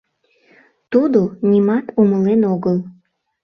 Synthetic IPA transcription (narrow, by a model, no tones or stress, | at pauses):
t̪ud̪onʲimɑt̪uməlenoɣəl